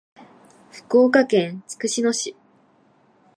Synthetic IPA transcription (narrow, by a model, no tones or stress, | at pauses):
ɸɯ̥ko̞ːkakẽnt͡sɨ̥kɯ̟ɕino̞ɕi